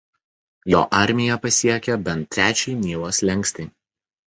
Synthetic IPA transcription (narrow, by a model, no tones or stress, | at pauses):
jo̰ːʔɐˑɾʲmʲɪjɛpɐsʲiɛkʲɛbʲɛnt̪ʲːɾʲæːt͡ʃʲɛɪnʲiːlˠoːslʲɛŋʲksʲt̪ʲɪː